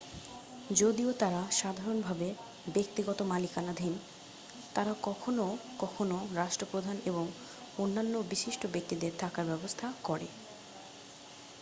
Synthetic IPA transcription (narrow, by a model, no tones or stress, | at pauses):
d͡ʑod̪iot̪aɾaʃad̪ʱaɾonbʱabe | bek̚t̪iɡɔt̪omalikanad̪ʱin | t̪aɾakɔkʰonokɔkʰonoɾaʃʈɾopɾod̪ʱaneboŋ | onːanːobiʃiʃʈobek̚t̪id̪eɾt̪ʰakaɾbɛbost̪ʰakɔɾḛ